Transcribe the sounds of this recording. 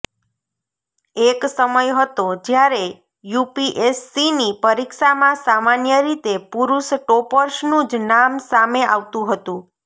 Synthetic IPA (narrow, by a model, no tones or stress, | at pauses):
eksəməjɦət̪od͡ʒjaɾe | jupiʔesːinipəɾikʃamãsamanjəɾit̪epuɾuʃʈopəɾʃnũd͡ʒnamsameaʋt̪ũɦət̪ũ